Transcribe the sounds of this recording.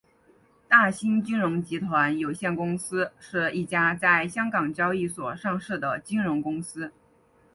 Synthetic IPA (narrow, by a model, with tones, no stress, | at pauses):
t̪a˥˩ɕi˥nt͡ɕi˥nɻʊ˧˥ŋt͡ɕi˧˥t̪ʰwa˧˥njo˨˩ʊɕjɛ˥˩nkʊ˥ŋsɹ̩˥ʂɻ̩˥˧i˥˩t͡ɕja˥t͡sa˥˩ɪɕjɑ˥ŋkɑ˨˩ŋt͡ɕjɑ˥ʊi˥˩swɔ˨˩ʂɑ˥˧ŋʂɻ̩˥˩d̪ə˩t͡ɕi˥nɻʊ˧˥ŋkʊ˥ŋsɹ̩˥